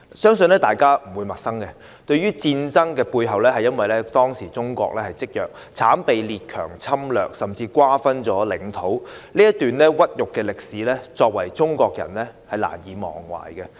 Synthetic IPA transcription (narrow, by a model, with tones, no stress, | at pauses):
sœː˥ŋsɵ˧nlɛː˥t̪aː˨jkaː˥m̩˨˩wuː˨˧jmɐ˨˩t̚sɐ˥ŋkɛ˧ | t̪ɵ˧ɥyː˥t͡siː˧nt͡sɐ˥ŋkɛː˧puː˧jɦɐ˨wlɛː˥hɐ˨jːɐ˥nwɐ˨jlɛː˥t̪ɔː˥ŋsiː˨˩t͡sʊ˥ŋkʷɔ̰ː˧k̚lɛː˥hɐ˨˩jt͡sɪ˥k̚jœː˨k̚ | t͡sʰaː˨˥npe˨˧jliː˨t̚kʰœː˨˩ŋt͡sʰɐ˥mlœ̰ː˨k̚sɐ˨mt͡siː˧kwaː˥fɐ˥nt͡ʃɔː˨˥lɪ˨˥ŋt̪ʰo˨˥wliː˥jɐ˥t̪yː˨nlɛː˥wɐ˥t̚jʊ˨kːɛː˧lɪ˨k̚siː˨˥lɛː˥t͡sɔː˧k̚wɐ˨˩jt͡ʃʊ˥ŋkʷɔː˧k̚jɐ̰˨˩nlɛː˥hɐ˨jla̰ː˨˩njiː˨˧mɔ̰ː˨˩ŋwa̰ː˨˩jɡɛ˧